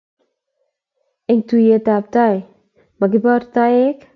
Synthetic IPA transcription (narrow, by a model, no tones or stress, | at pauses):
ʔɪŋd̪̥ujəd̪̥ap̚t̪aj | maɡibart̪aɪk